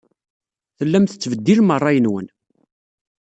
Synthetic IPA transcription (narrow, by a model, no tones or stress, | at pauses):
θəlːæmθət͡sːvəd̪ːilmərˤːɑjənwə̰n